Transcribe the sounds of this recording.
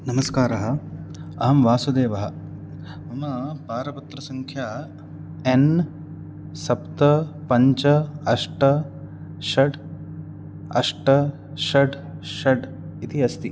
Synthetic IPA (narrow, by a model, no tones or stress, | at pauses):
nɐmɐskaːɾɐɦɐ | ɐɦɐmʋaːsud̪eːʋɐɦɐ̆ | mɐmɐpaːɾɐpɐt̪ɾɐsɐŋkʰjaː | en | sɐpt̪ɐpɐɲt͡ʃɐɐʂʈɐ | ʃɐɖ | ɐ̰ʂʈɐ | ʃɐɖ | ʃɐɖ | it̪iɐst̪i